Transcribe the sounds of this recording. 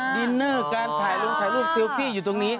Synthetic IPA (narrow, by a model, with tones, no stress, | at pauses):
ɗi˧nːɤː˥˩kaː˧nt̪ʰaː˩˦jlo˧ŋt̪ʰaː˨˩˦jlu˥˩p̪̚si˧wkʰiː˥˩juː˨˩t̪o˧ŋniː˦˥